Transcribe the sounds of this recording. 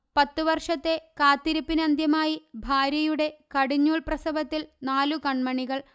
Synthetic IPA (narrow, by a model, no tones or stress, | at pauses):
pɐt̪ːuʋɐrʂɐt̪ːe̞kaːt̪ːiɾipːinɐnd̪ʱjɐmaːjibʱaːɾjɐjuɽe̞kɐɽiɲːuːɭprɐsɐbɐt̪ːilnaːlukɐɳmɐɳiɣɐɭ